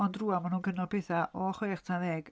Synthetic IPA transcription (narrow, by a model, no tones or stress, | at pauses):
ɔndruːamanuːnɡənɔpeθaʔɔχɔjaχtʰaðɛːɡ̥